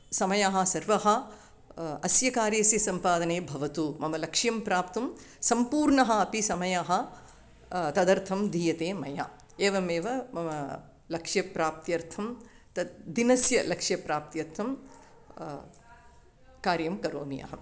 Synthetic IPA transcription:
sɐmɐjaːɦɐ̆sɐɾʋɐɦɐ̆ | ɐsjɐkaːɾjɐsjɐsɐmpaːd̪ɐneːbʱɐʋɐt̪umɐmɐlɐkʂjɐmpɾaːpt̪ɐm | sɐmpuːɾɳɐɦɐɐpisɐmɐjaːɦɐ | t̪ɐd̪ɐɾt̪ʰɐmd̪ʱiːjɐt̪eːmɐja̰ː | eːʋɐmeːʋɐmɐmɐ | lɐkʂjɐpɾaːp̚t̪jɐɾt̪ʰɐm | t̪ɐd̪inɐsjɐlɐkʂjɐpɾaːp̚t̪jɐɾt̪ʰɐm | kaːɾjɐmkɐɾo̰ːnija̰ːɦɐ

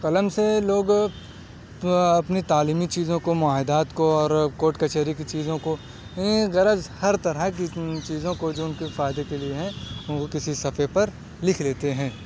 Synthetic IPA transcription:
qɐləmseloːɡ | ɐpnit̪aːliːmit͡ʃiːzõkomʊaːɦɪd̪aːt̪koɔːɾkoːʈkɐt͡ʃeːɾikit͡ʃiːzõko | jɐniɣɐɾəzhɐɾt̪ɐɾəkit͡ʃiːzõkod͡ʒoːʊnkefaːɪd̪ekelieɦɛ̃ʊnkokɪsisɐfepɐɾ | lɪkʰleːt̪eɦɛ̃ː

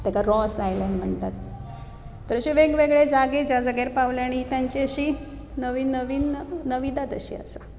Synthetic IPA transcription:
t̪akaɾɔsajlenm̤əɳt̪at̪ː | əɾəɕeʋeɡʋeɡɭed͡zaɡed͡ʑad͡zəɡeɾpaʋljaɽ̃iːt̪aɲt͡ɕiəɕiː | nəʋiːnːəʋiːnnəʋid̪at̪ə̰ɕḭa̰sa

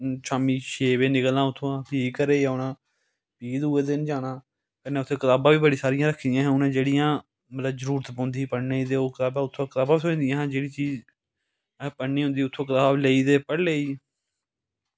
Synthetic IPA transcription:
t͡ʃʰaːmiːʃeːʋeːnɪklãːʊt̪ʰːõːãːpiːkəɾeːaʊnãː | piːd̪uːeːd̪ɪnd͡ʒaːɽãː | kənːeːʊt̪ʰːẽːkət̪aːbãːʋiːbəɽiːsaːɾɪjãːɾəkʰːd̪ɪjãːɦɛ̃ːʊnãːd͡ʒeːɽɪjãː | mət̪ləbzəɾuːɾət̪bõːnd̪iːpəɽneːid̪eːoːkət̪aːbãːʊt̪ʰːõːkət̪aːbaːsʊ̃nd̪ijãːɦːd͡ʒeːɽiːt͡ʃiːd͡ʒ | pəːiːɦʊ̃nd̪iːʊt̪ʰːõːkət̪aːbleːiːd̪eːpəɽleːiː

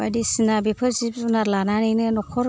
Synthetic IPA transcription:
a̰disinabepʰɯzip̚zunalananinɯnɔkʰɔɾ

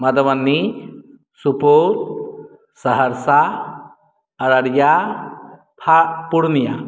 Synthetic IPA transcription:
mɐd̪əmanːi | supoɾ | səɦəɾsa | ɾəɽja | p̪ʰaʔpuɽnija̰

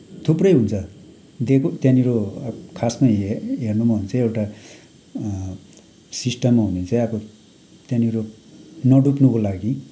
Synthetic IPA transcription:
t̪ʰuprʌjɦunt͡sʰʌ | d̪ekot̪janiɾokʰasmajeɦernumaɦunt͡sʌ̃ewʈa | sisʈʌmːaɦunet͡sʌjʌbo | t̪jãniɾo | nʌɖupnukolaɡi

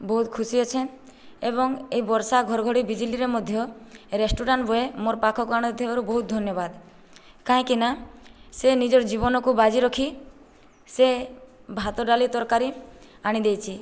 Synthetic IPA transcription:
bɔɦut̪kʰusiɔt͡ʃʰen | eβɔŋeibɔɾsaɡʱɔɾɔɡʱɔɽibid͡ʒiliɾemɔd̪ʱjɔɾesʈuɾaɳʈbʱɔemoɾpakʰɔkuaɽ̃t̪ʰebaɾubɔɦut̪̚d̪ʱɔnjɔbad̪ | kaɦĩkinasenid͡ʒɔɾd͡ʒibɔnɔkubad͡ʒiɾɔkʰi | se | bʱat̪ɔɖalit̪ɔɾkaɾi | aɽ̃id̪ejt͡ʃʰi

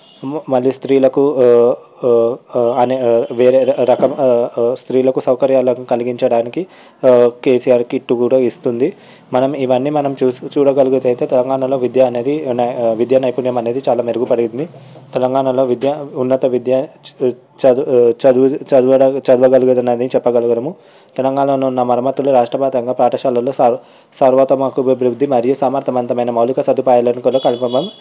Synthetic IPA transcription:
mɐlːist̪ɾiːlɐku | ɐneʋeːɾeɾɐkɐmst̪ɾiːlɐkusɐwkɐɾjaːlɐnikɐliɡiɲt͡ʃɐɽaːniki | ke̞ːsijaːɾkiʈːukuːɽaist̪und̪i | mɐnɐmiʋɐnːiːmɐnɐmt͡ʃuːst͡ʃuːɽɐɡɐluɡut̪ɐjt̪e̞ːt̪ɛlɐŋɡaːɳɐlo̞ːʋid̪jɐːne̞ːd̪inʋid̪janɐjpunjɐmɐne̞ːd̪it͡ʃaːlaːmeɾuɡupɐɽiɡind̪it̪ɛlɐŋɡaːɳɐlo̞ːʋid̪jaunːɐt̪ɐʋid̪ja | t͡ʃt͡ʃɐt͡ʃd̪ʋɐɽɐt͡ʃɐd̪ʋɐɡɐluɡɐd̪ɐneːd̪init͡ʃɛpːɐɡɐluɡɐnɐmu | t̪ɛlɐŋɡaːɳɐnɐnːɐmɐɾɐmɐt̪ːuluɾaːʂʈɾɐbaːt̪ɐŋɡaːpɾaːʈɐʃaːlɐloːsɐ | sɐɾʋɐt̪ɐmɐkubɐbɾud̪ʱːimɐɾijusɐmɐɾt̪ʰɐmɐnt̪ɐmɐjnɐmɐwlikɐsɐd̪upaːjɐlɐnkɐloːkɐlpɐmɐm

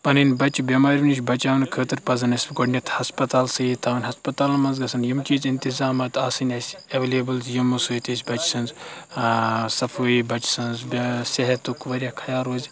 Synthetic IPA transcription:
pɐnɨnʲbɐt͡ʃubʲɐmaːɾʲʋinis̬ʲbɐt͡ʃaːʋɐnkʰəːt̪ɨɾpɐzɐnɐsʲbɡoɖnʲɐt̪ʰhɐspɐt̪aːlsɨit̪ʰaːʋɐnʲɦɐspɐt̪aːlmɐnzɡɐsɐnjimt͡ʃiːzint̪izaːmɐt̪aːsɨnʲɐsʲɐʋelʲeːbɨlzjimusuːjt̪isʲbɐt͡ʃsɐnz | sɐfʰuːibɐt͡ʃi̥sɐnzbʲseɦɐt̪ukʋɐɾʲjaːkʰɐjaːɾoːzʲ

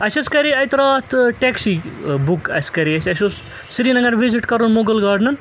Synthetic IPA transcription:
ɐsɐskɐɾiɐjt̪ɐɾaːt̪ʰʈeksibukɐ̰skɐɾiɐsʲɐsʲos | siɾinɐŋɡɐɾʋiziʈkɐɾonmoɡɐlɡaɾɖnɐn

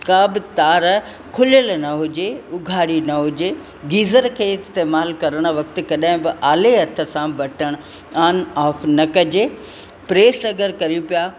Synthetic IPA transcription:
kaːbɪt̪aːɾ | kʰʊljəlnɐɦʊd͡ʑeʊɡʱaːɽinɐɦʊd͡ʑe | ɡiːzəɾkʰeːɪst̪eːmaːlkɐɾəɽ̃̆ʋɐk̚t̪ɪ̆kɐɗãɦɪ̃bɪʔaːleɦɐt̪ʰə̆sãbɐʈʰəɽ̃ʊ | aːnaːfnɐkɐd͡ʑe | pɾeːsɐɡəɾkɐɾijũpijaː

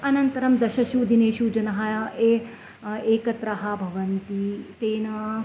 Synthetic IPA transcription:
ɐnɐnt̪ɐɾɐmd̪ɐʃɐʃuːd̪ʱineːʃuːd͡ʒɐnɐɦɐe | eːkɐt̪ɾɐɦɐbʱɐʋɐnt̪it̪eːnɐ

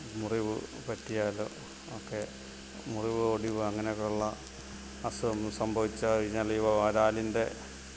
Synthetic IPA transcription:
muriʋɨ̰pɐʈːijaːlo̰ | okːe | muriʋɨoːɽiʋɐŋːɐnekːuɭːɐ | ɐsumsɐmbʱɐʋit͡ɕːɐʋiɲɐlɐjuʋɐaɾaːlinde̞

